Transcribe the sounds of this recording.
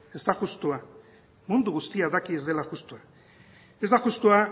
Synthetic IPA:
e̞zd̪aɣust̪ua | mund̪uɣust̪iaðakie̞zd̪e̞laɣust̪ua | e̞zd̪aʝust̪ua

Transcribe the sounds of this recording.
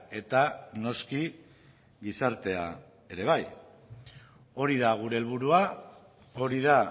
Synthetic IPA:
e̞t̪ano̞ski | ɡisaɾt̪e̞a̰ | e̞ɾe̞β̞aj | o̞ɾiðaɣ̞uɾe̞ːlβuɾua | o̞ɾið̞a

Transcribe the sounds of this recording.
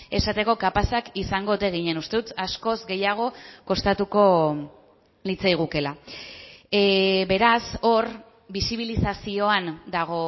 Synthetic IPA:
e̞sat̪e̞ko̞kapasakisaŋɡo̞t̪e̞ɣ̞iɲe̞nust̪e̞ðut̪asko̞zɡe̞jaɣ̞o̞ko̞st̪at̪uko̞ | lit͡sajɣ̞uke̞la | be̞ɾaso̞ɾ | bisiβ̞ilisasio̞and̪aɣ̞o̞

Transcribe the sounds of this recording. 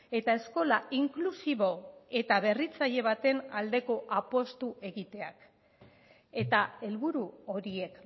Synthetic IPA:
e̞t̪ae̞sko̞laiŋklusiβo̞e̞t̪aβe̞rit͡saʎe̞β̞at̪e̞nald̪e̞ko̞ʔapo̞st̪uʔe̞ɣit̪e̞ak | e̞t̪ae̞lβuɾuoɾie̞k

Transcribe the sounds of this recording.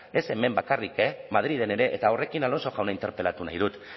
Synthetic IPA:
e̞se̞me̞mbakarikemaðɾið̞e̞ne̞ɾe̞ʔḛt̪aore̞kinalo̞nso̞ɣawnaint̪e̞ɾpe̞lat̪una̰jð̞ut̪

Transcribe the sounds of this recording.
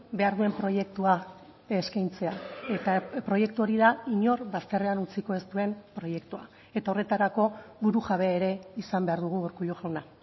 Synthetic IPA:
be̞aɾðue̞mpɾo̞je̞k̚t̪ua | eskajnt͡se̞aet̪apɾo̞je̞k̚t̪uo̞ɾiðaiɲo̞ɾβast̪e̞re̞anut͡siko̞e̞st̪ue̞mpɾo̞je̞kt̪ua | e̞t̪ao̞re̞t̪aɾako̞βuɾuʝaβe̞aeɾe̞isambe̞aɾðuɣ̞uoɾkuʎuxawna

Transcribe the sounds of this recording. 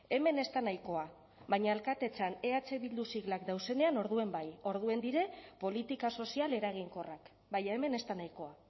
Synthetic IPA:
e̞me̞ne̞st̪anajko̞a | βaɲaelkat̪e̞t͡sane̞at͡se̞βild̪usiɣlakd̪awse̞ne̞ano̞ɾðue̞mbajo̞ɾð̞ue̞nd̪iɾe̞po̞lit̪ikaso̞siale̞ɾaɣ̞iŋko̞rak | bajaeme̞ne̞st̪anajko̞a

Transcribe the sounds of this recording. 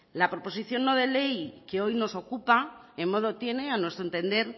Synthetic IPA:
lapɾo̞po̞siθjo̞nːo̞ð̞e̞le̞jke̞o̞jno̞so̞kupa | emmo̞ðo̞t̪je̞ne̞anwe̞st̪ɾoent̪e̞nd̪e̞ɾ

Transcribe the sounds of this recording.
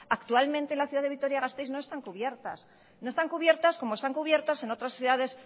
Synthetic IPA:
akt̪ualment̪enlaθjuðaðeit̪o̞ɾjaɣast̪ejznoest̪aŋkuβje̞ɾt̪a̰s | no̞e̞st̪aŋkuβje̞ɾt̪asko̞moest̪aŋkuβje̞ɾt̪ase̞no̞t̪ɾasθjuðaðe̞s

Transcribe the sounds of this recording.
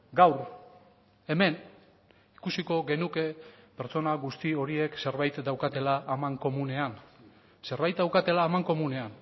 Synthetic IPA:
ɡawɾ | e̞me̞n | ikusiko̞ɣe̞nuke̞pe̞ɾt͡so̞naɣust̪io̞ɾie̞kse̞ɾβajt̪d̪awkat̪e̞laʔːmaŋko̞mune̞an | se̞ɾβajt̪̚d̪awkat̪e̞laːmaŋko̞mune̞an

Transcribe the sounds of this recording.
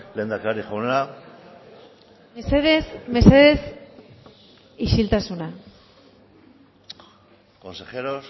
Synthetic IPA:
leːnd̪akaɾixonea | sesme̞se̞ðes | iʃilt̪asuna | ko̞nse̞xeɾos

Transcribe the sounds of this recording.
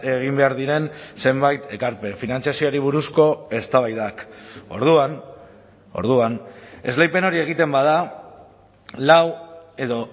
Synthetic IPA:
e̞ɣ̞imbe̞aɾðiɾe̞nse̞mbajt̪e̞kaɾpe̞finant͡sijasio̞aɾiβ̞uɾusko̞e̞st̪aβajðako̞ɾðuan | o̞̰ɾðuane̞̰zlejpe̞no̞ɾie̞ɣit̪e̞mbað̞a | lawe̞ðo̞

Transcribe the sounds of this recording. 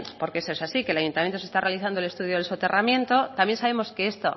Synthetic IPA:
po̞ɾkeesesasikelajunt̪amjenose̞st̪arealiθand̪olet̪uðjoðelsot̪e̞ramjẽ̞nt̪ot̪amjensaβe̞mo̞ske̞est̪o̞

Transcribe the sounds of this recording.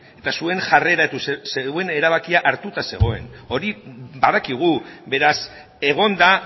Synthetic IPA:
e̞t̪asue̞ŋʝare̞ɾat̪usseɣue̞ne̞ɾaβ̞akiaʔaɾt̪ut̪ase̞̰ɣo̞e̞̰no̞ɾibaðakiɣ̞ube̞ɾas | e̞ɣ̞o̞nd̪a

